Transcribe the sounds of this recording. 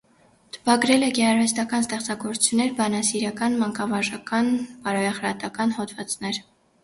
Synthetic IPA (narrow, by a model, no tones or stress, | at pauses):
t̪ʰə̥pɑɡɾɛlɛɡɛɑɾvɛst̪ɑkɑnst̪ɛχt͡sɑɡɔɾʰu̥t͡sʰjunːɛɾbɑnɑsiɾɑkɑnmɑŋkɑvɑʒɑkɑnpɑɾɔjɑχɾɑt̪ɑkɑnhɔd̪vɑt͡snɛɾ